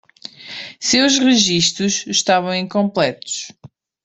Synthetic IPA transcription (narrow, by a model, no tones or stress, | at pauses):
sewʒʁɨʒiʃt̪ɾuʃʃt̪avɐ̃w̃ĩŋkõmplˠɛt̪u̥ʃ